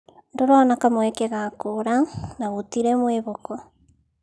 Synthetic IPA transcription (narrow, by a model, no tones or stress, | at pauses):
ndoɾoːnakamwɛkeɣakoɾanaβutiɾemweβoko